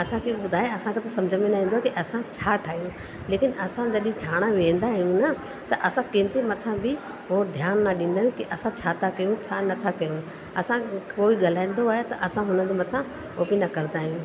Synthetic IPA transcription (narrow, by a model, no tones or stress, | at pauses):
ɐsãkʰeɓʊd̪ʱaːeɐsãkʰet̪ɐsɐ̃md͡ʑʱəmẽnaɦĩnd̪oaɦekiʔɐsãt͡ɕʰaːʈʰaːɦijũ | leːkɪnɐsãd͡ʑɐɗẽd͡ʒʰʱaːɽ̃aʋẽn̆d̪aɦijũnɐ | t̪ɐʔɐsãkẽːnd̪ɾimɐt̪ʰãbɪ | ɦod̪ʱjaːnːɐɗĩn̆d̪aːɦjũkiʔɐsãt͡ɕʰaːt̪ʰakɐjũt͡ɕʰaːnɐt̪ʰakɐjũ | ɐsãkoːiɠɐl̤aːĩːn̆d̪oaːɦet̪ɐʔɐsãɦʊnəd͡ʑomɐt̪ʰã | oːbinɐkɐɾnd̪aːɦijũ